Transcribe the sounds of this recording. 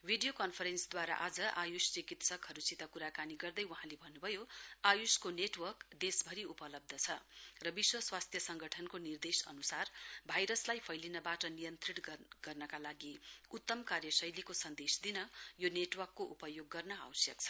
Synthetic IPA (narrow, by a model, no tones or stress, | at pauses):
bʱiɖijokʌnpʰʌɾensd̪waɾa̰ʔad͡zʌʔajust͡sikit̪sʌkɦʌɾut͡sit̪ʌkuɾakaniɡʌrd̪ʌjwʌɦãlebʱʌnːubʱʌjoajuskoneʈwʌrkd̪esbʱʌɾiupʌlʌb̚d̪ʱʌt͡sʰʌrʌbiswʌswast̪ʰjʌsʌŋɡʌʈʰʌnkonird̪esʌ̰nusarbʱajɾʌslajpʰʌjlinʌbaʈʌnijʌnt̪riʈɡ̥ʌrnʌkalaɡiut̪ːʌmkarjʌsʌjlikosʌnd̪esd̪inʌjoneʈwʌrkːoʔupʌjoɡːʌrnʌa̰wsjʌ̰k̚t͡sʰʌ